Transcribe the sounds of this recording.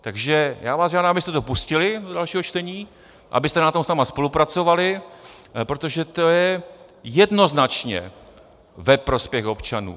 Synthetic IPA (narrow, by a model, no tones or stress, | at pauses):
t̪aɡʒɛjaːvaːsʒaːdamabɪst̪ɛt̪o̞puscɪlɪdodalʃiːɦot͡ʃt̪ɛɲiː | ʔa̰bɪst̪ɛnat̪o̞msnaːmaspo̞lupɾat͡so̞valɪ | pɾo̞t̪o̞ʒɛt̪o̞jɛ | jɛdno̞znat͡ʃɲɛ̰ | vɛpɾo̞spjɛxo̞pt͡ʃanṵː